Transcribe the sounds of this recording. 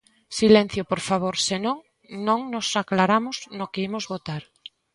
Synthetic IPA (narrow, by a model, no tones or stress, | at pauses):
silɛ̃n̟θjopoɾfaβ̞oɾsenõŋ | nõŋnosaklaɾamʊznokeimozβot̪aɾ